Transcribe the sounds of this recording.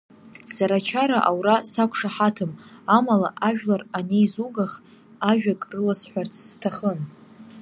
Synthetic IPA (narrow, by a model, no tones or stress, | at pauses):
saɾat͡ʃʰaɾaʔawrasakʷʰʂaħatʰɨmamalaʔaʒᶣlaranejzuɡaχ | aʒᶣakʼrɨlasħʷᶣart͡sʼʰztʰaχən